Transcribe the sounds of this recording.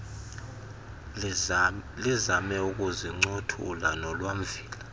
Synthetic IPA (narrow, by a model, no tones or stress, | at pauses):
lizamɛuk̬ʼuziŋ͡ǀotʰṵlanɔlwam̩viːla